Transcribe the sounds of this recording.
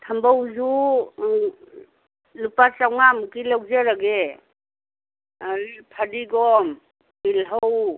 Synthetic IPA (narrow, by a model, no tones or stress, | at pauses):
tʰambawzu | lupasawŋamukilawzeɾaɡe | pʰadiɡɔm | bilɦaw